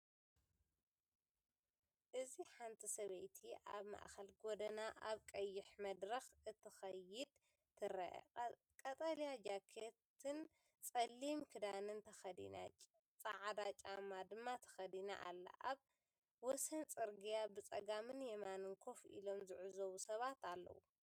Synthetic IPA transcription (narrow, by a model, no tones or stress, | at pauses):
ʔɨziħant̪ʰisɐβɐjt̪ʰiʔa̰βma̰ʔxɐlɡod̪ɐnaʔaβkʼɐjːɪħmɐd̪ɾɐxʔɨt̪ʰɨxɐjɪd̪ʰ | ɨɾɐ̰ʔ | kʼɐt̪ʼɐlijad͡ʒakʰet̪ʰɨn | t͡sʼɐlːimkʰɨd̪anɨnt̪ʰɐxɐd̪ḭna̰t͡ʃʼ | t͡sʼaʕd̪at͡ʃʼamad̪ɨmːat̪ʰɐ̥xɐd̪ina̰ʔa̰lːa̰ʔaβ | wɔsɐnt͡sʼɨɾɡijabɨt͡sʼɐɡamɨnjɛmanɨŋkʰo̞fʔḭlo̞mzɨʕuzowusɐβat̪alːɐ̰wṵ